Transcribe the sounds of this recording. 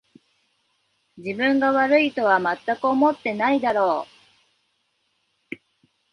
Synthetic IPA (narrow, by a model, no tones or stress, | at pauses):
d͡ʑibɯ̟̃ŋɡaβaɾɯ̟it̪o̞β̞amat̪ːakɯomo̞t̪ːe̞naid̪aɾo̞ː